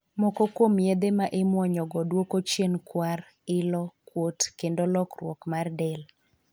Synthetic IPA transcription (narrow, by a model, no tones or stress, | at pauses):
mɔkɔkomjed̪emaʔɪmwɔɲɔɡɔdwokot͡ʃjenkwar | ɪlɔkwotkendolɔkrwɔ̰kmardɛl